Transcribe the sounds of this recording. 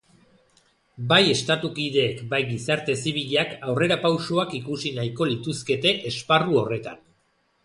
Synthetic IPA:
baje̞st̪at̪ukiðe̞ːkbajɡisaɾt̪e̞siβ̞iʎakawre̞ɾapawʃoakikusinajko̞lit̪uske̞t̪e̞ʔesparuo̞re̞t̪a̰n

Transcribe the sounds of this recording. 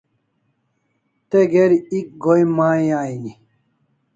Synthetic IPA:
t̪eɡeɾiik̚ɡojmaːjaːini

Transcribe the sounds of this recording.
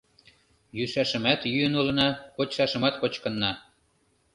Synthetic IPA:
jyʃæʃə̆mæt̪jyənulɤ̆nɑkot͡ɕʃɑʃə̆mɑt̪kot͡ɕkɤ̆nːɑ

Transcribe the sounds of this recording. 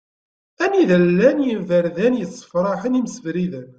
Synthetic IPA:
æniðəlːænjəvəɾðænjəsˤːə̥fɾˤɑħənimsəvɾiðən

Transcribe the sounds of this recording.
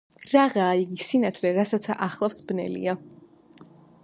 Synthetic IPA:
ɾaʁaːiɡisinat̪ʰlɛɾasat̪sʰaʔaχlˠafsbnɛ̰lḭa

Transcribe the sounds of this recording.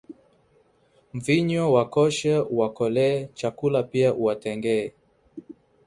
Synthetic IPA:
mviɲɔwakɔʃɛuwakɔlɛːt͡ʃakulapiaʔuwatɛŋɡɛɛ

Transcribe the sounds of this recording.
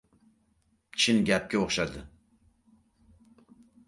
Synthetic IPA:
t͡ʃʰinɡʲɛp̚kʲɛoχʃɑd̪ɨ

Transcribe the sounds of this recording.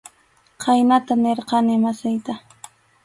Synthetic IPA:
qajnat̪aneɾqɑnɪmasajt̪a

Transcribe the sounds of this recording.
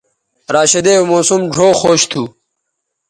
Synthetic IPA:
ɾaːɕɐd̪ewmoːsumɖʱoːxoːɕt̪ʰu

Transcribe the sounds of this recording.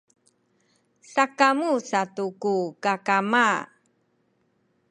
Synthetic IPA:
sakamusatukukakama

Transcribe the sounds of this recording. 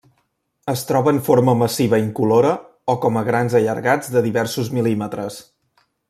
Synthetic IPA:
əst̪ɾɔβənfoɾməməsiβ̞əiŋkuloɾə | okɔməɣɾanzəʎəɾɣad͡zd̪əðiβɛrsuzmilimət̪ɾəs

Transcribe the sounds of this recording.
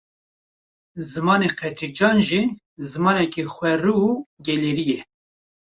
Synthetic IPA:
zɨmɑːneqʰɛt̪ʰid͡ʒɑːnʒi | zɨmɑːnɛkixʷɛruɡɛleɾijɛ

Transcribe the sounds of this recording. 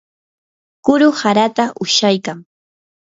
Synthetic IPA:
kʊɾʊhaɾat̪aʔʊʃajkaŋ

